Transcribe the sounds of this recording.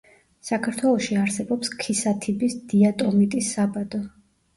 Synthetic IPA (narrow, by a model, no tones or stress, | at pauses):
sakʰaɾt̪ʰwɛlˠɔʃiaɾsɛbɔpskʰisat̪ʰibisd̪iat̪ʼɔmit̪ʼisːabad̪̥ɔ